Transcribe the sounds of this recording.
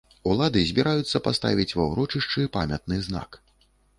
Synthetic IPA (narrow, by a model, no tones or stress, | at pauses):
ulˠad̪ɨzʲbʲiɾajut̪sːɐpast̪a̰vʲit͡sʲvɐwɾɔt͡ʂɨʂt͡ʂɨpamʲɐt̪̚nɨzna̰k